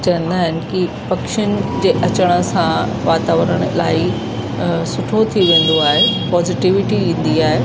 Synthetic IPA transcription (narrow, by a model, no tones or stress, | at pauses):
t͡ɕɐə̃nd̪aːɦɪnɪ̆kipɐkʃʊnɪ̆d͡ʑeːʔɐt͡ɕəɽ̃ə̆sã | ʋaːt̪aːʋəɾəɽ̃laːi | sʊʈʰot̪ʰiʋẽːn̆d̪oaːɦepɔːzɪʈiʋɪʈiʋĩːn̆d̪iaːɦe